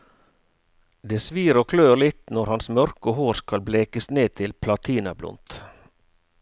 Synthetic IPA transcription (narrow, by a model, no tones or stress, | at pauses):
d̪eːsʋiːɾokʰløːɾlɪt̪nɔɾhɑnsmœɾkəhoːɾskɑlbleːkəsneːt̪ʰɪlpʰlɑt̪ʰiːnɑblʊ̰nt̪